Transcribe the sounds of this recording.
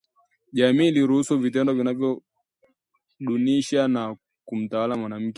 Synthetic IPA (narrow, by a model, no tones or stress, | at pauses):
ʄamiːliɾuhusuvitɛndɔvinavjɔ | ɗuniʃana | kum̩tawalamwanam̩kɛ